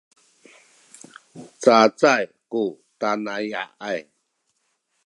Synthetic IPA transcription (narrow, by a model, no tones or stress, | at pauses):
t͡sat͡saj | ku | tanaja̰ʔaj